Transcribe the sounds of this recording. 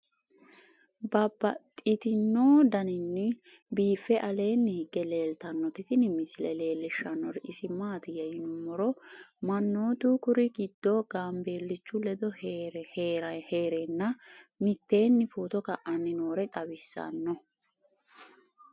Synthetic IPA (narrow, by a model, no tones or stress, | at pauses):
bɐbːɐt̪ʼːɪt̪ɪnːoːd̪ɐnɪnːɪ | biːfːɛʔɐle̞ːnːɪhɪɡːɛle̞ːlt̪ɐnːɔt̪ɪt̪ɪnɪmɪsɪlɛle̞ːlːɪʃːɐnːɔɾɪʔɪsɪmaːt̪ɪjɐjɪnʊmɔɾɔmɐnːo̞ːt̪uːkʊɾɪɡɪd̪ːɔɡ̥aːmbe̞ːlːɪt͡ʃːʊlɛd̪ɔɾheːɾɐheːɾenːɐmɪt̪ːe̞ːnːɪfoːt̪ɔkɐʔɐnːɪno̞ːɾɛt̪ʼɐbɪsːɐ̰nːɔ